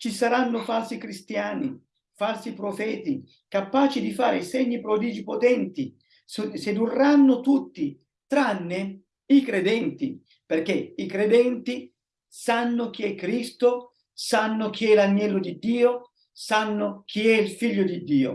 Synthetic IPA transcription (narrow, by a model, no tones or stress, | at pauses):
t͡ʃisaɾanːʊfalsikɾist̪jaːni | falsipɾofɛːt̪i | kapaːt͡ʃid̪ifaːɾɪsɛɲːipɾod̪iːd͡ʒipot̪ɛnt̪i | sed̪urːanːʊt̪ut̪ːi | t̪ɾanːɪ | ikɾed̪ɛnt̪i | perk̟ɛikɾed̪ɛnt̪i | sanːʊk̟iɛkːɾist̪o | sanːʊk̟ʰiɛlaɲːɛlːod̪id̪ːiːo | sanːʊk̟ʰiɛilfiʎːʊd̪id̪ːiːo̰